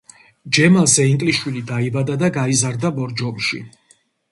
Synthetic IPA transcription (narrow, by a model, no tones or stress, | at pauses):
d͡ʒɛmasɛiŋkʼliʃwilid̪aibad̪ad̪aɡaizaɾd̪abɔɾd͡ʒɔmʃḭ